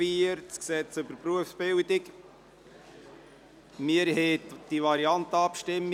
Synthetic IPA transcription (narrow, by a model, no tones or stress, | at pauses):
iːɾtsksɛt͡søbəɾpɾuəfsb̥ɪldɪk | mɪəɾɦɛd̥ivɑɾiɑnt̪əɑpʃtɪmː